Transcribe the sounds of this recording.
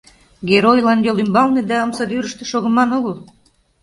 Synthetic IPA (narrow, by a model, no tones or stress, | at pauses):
ɡʲeɾojlɑnjolymbɑlˠned̪æəmsɑd̪yɾəʃt̪ĕ̥ʃoɣə̆mɑnoɣəlˠ